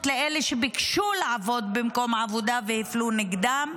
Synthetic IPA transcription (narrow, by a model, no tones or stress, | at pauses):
tleeleʃebikʃulaʕavo̞d̪bimko̞mʕavod̪avehifluniɡd̪am